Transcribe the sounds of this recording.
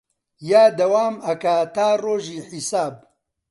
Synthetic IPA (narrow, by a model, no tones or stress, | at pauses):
jaːd̪ɐwaːmɐkat̪aːroːʒiːħisaːb̚